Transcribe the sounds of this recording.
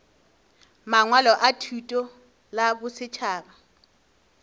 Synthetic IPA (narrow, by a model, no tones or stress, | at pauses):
maŋwalɔʔatʰutʼɔ | labʊsɪt͡ʃʰaːba